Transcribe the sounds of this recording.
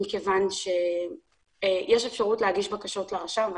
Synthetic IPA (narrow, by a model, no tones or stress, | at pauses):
ikevanʃe̞ | jeʃe̞fʃaʁutleɦaɡiʃbakaʃo̞tleʁaʃav